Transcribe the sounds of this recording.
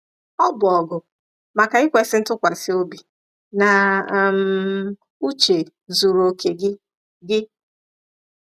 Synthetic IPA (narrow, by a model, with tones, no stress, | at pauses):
ɔ˦bʊ˨ɔ˨ɡʊ˨ | ma˨ka˨ɪ˦kʷe˨˦sɪ˦tʊ˦kʷa˨sɪ˦o˦bi˨ | na˨m̩˨ | u˦t͡ʃe˨ | zu˨ɾo˨kʰe˨ɡɪ˦ | ɡɪ˦